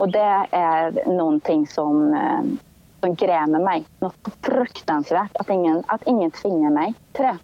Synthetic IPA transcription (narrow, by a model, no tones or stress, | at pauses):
ʔɔd̪ɛæɾnuːənt̪ʰɪŋːsɔm | sɔmɡɾeːməɾmæɪnɔt̪sɔfɾʉkt̪ɑnsʋæːʈɑt̪ɪŋːənɑt̪ɪŋːənt̪ʰʋɪŋːəmæɪt̪ʰɾeː